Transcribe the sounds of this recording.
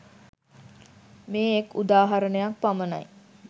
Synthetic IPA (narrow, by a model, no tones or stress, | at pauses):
meːekud̪aːɦaɾənəjak̚paməna̰j